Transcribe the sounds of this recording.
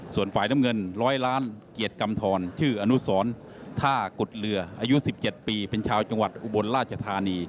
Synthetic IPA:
su˨˩ənfaː˨˩jna˦˥mŋɤ˧nɾɔː˦˥jlaː˦˥nki˨˩ət̪̚ka˧mt̪ʰɔː˧nt͡ɕʰɯː˥˩ʔa˧nu˦˥sɔː˩˦n | t̪ʰaː˥˩ku˨˩t̪̚lɯ˧ɐʔaː˧ju˦˥si˨˩p̚t͡ɕe˨˩t̪̚piː˧pe˧nt͡ɕʰaː˧wt͡ɕa˧ŋwa˨˩t̪̚ʔu˧˩bo˧nɾaː˥˩t̪̚t͡ɕʰa˧t̪ʰaː˧niː˧

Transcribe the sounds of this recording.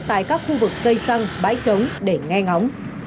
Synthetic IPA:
t̪a̰ː˧˨jkaː˦˥k̚xu˧vɨ˨˩kːə˧jsa˧ŋɓa̰ː˧˥jt͡ɕə˨˦wŋ͡mɗe˧˩ŋɛ˧ŋa˨˦wŋ͡m

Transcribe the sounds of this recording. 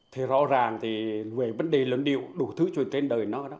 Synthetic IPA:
t̪ʰi˨˩zɔ̰˧˥zaː˨˩ŋt̪ʰi˨˩ve˨˩və˨˧˦nɗe˨˩lwə˨˩nɗḭ˧˨əwɗu˨˧˩t̪ʰɨ˨˦t͡ɕwi˨˩ənt͡ɕe˧nɗəː˨˩jnɔ˨˦ɗɔ˨˦

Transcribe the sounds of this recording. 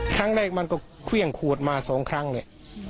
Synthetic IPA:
kʰɾa˦˥˩ŋlɛː˥˩k̚ma˧nkɔː˥˩kʰwi˥˩əŋkʰuː˨˩t̪̚maː˧sɔː˩˦ŋkʰɾa˦˥˩ŋni˧˩ʔ

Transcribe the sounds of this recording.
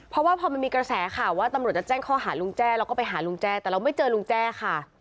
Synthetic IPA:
pʰɾɔ˧˦˥waː˥˩pʰɔː˧ma˧nmiː˧kɾa˧sɛː˩˦kʰa˥˩waː˥˩t̪a˧mɾt̪̚t͡ɕa˨˩t͡ɕɛː˥˩ŋkʰɔː˥˩ɦaː˩˦lu˧ŋt͡ɕɛː˥˩ɾa˧wkɔː˥˩pa˧jɦaː˩˦lu˧ŋt͡ɕɛː˥˩t̪ɛ˨˩ɾa˧wma˥˩jt͡ɕɤː˧lu˧˥ŋt͡ɕɛː˥˩kʰa˥˩

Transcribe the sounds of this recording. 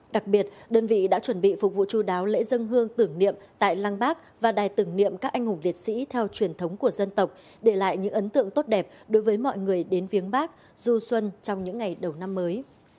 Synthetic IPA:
ɗa˨˩k̚ɓi˨˩ət̚ɗəː˧nvḭ˧˨ɗa̰ː˧˥t͡ɕwə˧˩nɓḭ˧˨fʊ˨˩k͡p̚vṵ˧˨t͡ɕu˧ɗaː˨˦wlḛ˧˥zə˧nɦɨ˧əŋt̪ɨ˧˩əŋnḭ˧˨əmt̪a̰ː˧˨jlaː˧ŋɓaː˦˥k̚ | vaː˨˩ɗaː˨˩jt̪ɨ˨˧˩əŋnḭ˧˨əmkaː˦˥k̚ʔa˧jŋ̟hʊ˨˩ŋ͡mli˨˩ət̚sḭ˧˥t̪ʰɛ˧wt͡ɕwi˨˩ənt̪ʰə˨˦wŋ͡mku˧˩əzə˧nt̪ə˨˩wk͡p̚ | ɗe˧˩la̰ː˧˨jɲɨ̰˧˥ŋʔə˨˦nt̪ɨ̰˧˨əŋt̪o˦˥t̚ɗɛ˨˩p̚ɗo˨˦jvəː˨˦jmɔ̰˧˨jŋɨ˨˩əjɗe˨˦nfi˨˦ənɓaː˦˥k̚ | zu˧swə˧nt͡ɕɔ˧wŋ͡mɲɨ̰˧˥ŋːa˨˩jɗə˨˩wna˧mːəː˨˦j

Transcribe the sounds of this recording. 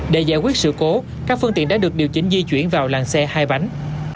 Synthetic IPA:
ɗe˧˩zaː˧˩jkwi˦˥ət̚sɨ̰˧˨ko˨˦ | kaː˦˥k̚fɨ˧ŋt̪ḭ˧˨ənɗaː˧˥ɗɨ˨˩ək̚ɗi˨˩əwt͡ɕï˨˦ŋ̟zi˧t͡ɕwḭ˧˩ənvaː˨˩wlaː˨˩ŋsɛ˧haː˧jɓa˨˦jŋ

